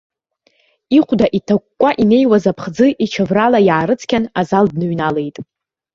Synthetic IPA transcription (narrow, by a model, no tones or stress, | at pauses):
iχʷdaʔitʰakːʷʼaʔine̞jwazapʰχd͡zɨʔit͡ʃʰavralajaːɾɨt͡sʰkʲanazaldnɨɥnale̞jtʼ